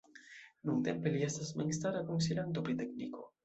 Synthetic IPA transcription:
nuŋd̪epeliast̪asmeŋst̪aɾakonsilant̪opɾit̪eknḭko

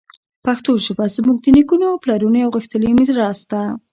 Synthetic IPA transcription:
paxt̪oʒəbazmuɡ̚d̪ənikunoawplaɾunoawɣəxt̪əlimizɾɑst̪a

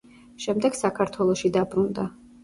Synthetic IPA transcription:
ʃɛmd̪ɛɡ̥sakʰaɾt̪ʰwɛlˠɔʃid̪abɾund̪a

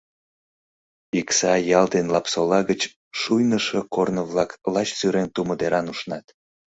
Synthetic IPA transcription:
iksɑjɑld̪enlɑpsolɑɣət͡ɕ | ʃujnəʃəkornəβlɑklɑt͡ɕt͡syɾent̪uməd̪eɾɑnuʃnɑt̪

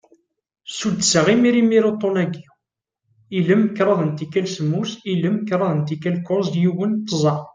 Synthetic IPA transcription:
sud̪səʁimiɾimiɾot̪ˤːonæɡiw | iləmːəkːɾˤɑðˤənt̪ikːælsəmːusiləmkːɾˤɑðˤənt̪ikːælkːʊɾzd̪juwənt̪ːəzˤɑ

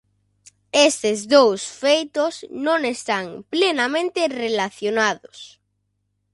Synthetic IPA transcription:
est̪ezðowsfejt̪osnõŋest̪aŋplenamẽnt̪erelaθjonaðos

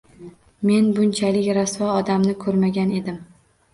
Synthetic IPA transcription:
me̞nbʊnt͡ʃʰalɪkʲɾasvɒɒd̪amnɪkʰɵɾmaɡʲane̞d̪ɪm

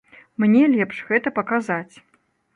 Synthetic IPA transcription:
mnʲɛlʲɛpʂɣɛt̪ɐpɐkazat͡sʲ

